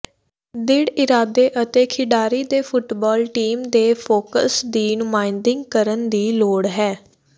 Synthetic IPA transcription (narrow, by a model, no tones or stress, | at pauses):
d̪ɪɽɪɾaːd̪eːʔət̪eːkʰɪɖaːɾiːd̪eːpʰʊʈbɔːlʈiːmd̪eːpʰoːkə̰sd̪iːnʊmaːɪnd̪ɪ̃ŋɡkəɾənd̪iːloːɽɦɛː